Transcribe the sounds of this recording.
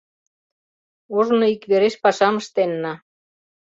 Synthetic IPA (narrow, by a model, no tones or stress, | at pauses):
oʒnoikβeɾeʃpɑʃɑməʃt̪enːɑ